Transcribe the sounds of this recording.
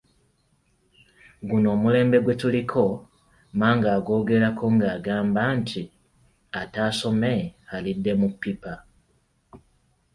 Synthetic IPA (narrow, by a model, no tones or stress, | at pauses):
ɡuno̞ːmule̞ːmbe̞ɡwetulikʰo̞ | maːŋɡaːɡo̞ːɡe̞lakʰoŋɡaːɡaːmbantʰi | ataso̞mehalide̞mupipa